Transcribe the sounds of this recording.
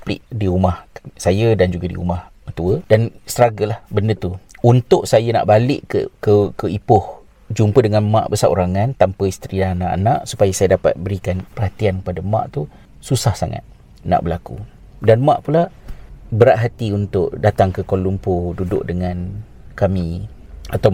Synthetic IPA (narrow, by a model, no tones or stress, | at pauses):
plɪ̰ʔdiumahsajədand͡ʒuɡadḭṵmah | ət̪uədanst̪əɾaɡəlahbəndət̪uunt̪ʊʔsajana̰ʔbalɪʔkə̰kəkəipʊh | d͡ʒumpədəŋanmã̰ʔbəsaʔuɾaŋant̪ampəist̪ɾiananaʔa̰naʔsupajasajadapa̰t̪̚bəɾikanpərɦat̪iankəpadamã̰ʔt̪u | susahsaŋa̰t̪̚ | na̰ʔbəlakṵ | danmãʔpula | bəɾaʔɦat̪iunt̪ʊʔdat̪aŋkəkolumpodudʊ̰ʔ̚dəŋan | kamĩ | at̪aw